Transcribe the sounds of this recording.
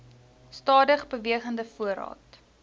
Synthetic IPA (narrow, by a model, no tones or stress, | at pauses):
stɑːdəχbəviəχəndəfuəɾɑ̰ːt